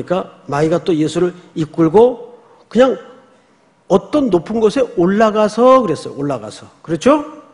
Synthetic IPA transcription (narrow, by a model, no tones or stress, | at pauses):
ik͈amaiɡat͈ojesʰuɾɯɭik͈uɭɡo | kɯɲaŋ | ʌt͈ʌnːopʰɯnɡʌsʰe̞oɭːaɡasʰʌkɯɾe̞s͈ʌjo̰oɭːaɡa̰sʰʌkɯɾʌt͡ɕʰo